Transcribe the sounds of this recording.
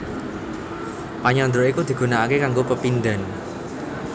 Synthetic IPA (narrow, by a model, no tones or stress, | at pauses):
paɲɔnd̪ɾoikud̪̥i̤ɡ̥ṳnaakekaŋɡopəpind̪a̤n